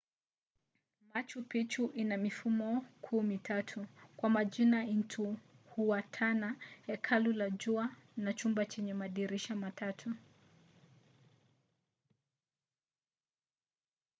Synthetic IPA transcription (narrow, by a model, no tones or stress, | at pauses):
mat͡ʃupit͡ʃuʔinamifumɔkʰuːmitʰatʰukwamaʄinaintʰuhuwatʰanahɛkʰalulad͡ʒuanat͡ʃumbat͡ʃɛɲɛmaɗiɾiʃamatʰatʰu